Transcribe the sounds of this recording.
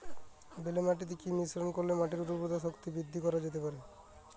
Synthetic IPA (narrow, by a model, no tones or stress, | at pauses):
belemaʈ̬it̪̬ekimisɾonkoɾlemaʈiɾuɾopɾod̪aʃokt̪ibɾid̪ʱːikɔɾad͡ʑet̪epaɾe